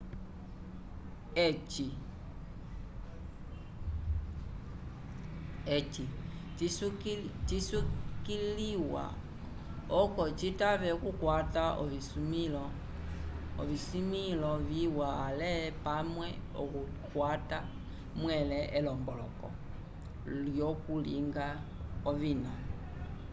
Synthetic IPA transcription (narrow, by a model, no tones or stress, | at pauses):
et͡ʃi | et͡ʃist͡ʃisukiliwa̰ | ɔkot͡ʃitaβɛkukwataʔoβismil | ɔ̰βisimilɔβiwalɛpamwɛɔku | kwata | mwɛlɛʔɛlɔmbɔlɔkɔ̰ | ljokulḭŋɡaɔβina